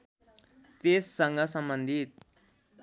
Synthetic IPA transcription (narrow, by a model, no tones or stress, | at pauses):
t̪eːsːəŋɡasəmbənd̪ʱit̪̚